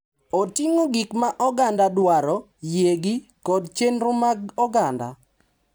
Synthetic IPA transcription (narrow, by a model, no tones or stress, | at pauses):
otɪŋoɡɪkmaʔɔɡandadwaɾɔ | jeɡikɔdt͡ʃenɾʊmaɡɔɡanda̰